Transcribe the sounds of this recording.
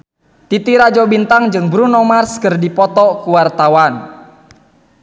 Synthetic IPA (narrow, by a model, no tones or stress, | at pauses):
t̪it̪iɾad͡ʒɔbint̪aŋd͡ʒɨŋbɾunɔmarskɨrdipɔt̪ɔkuwart̪awan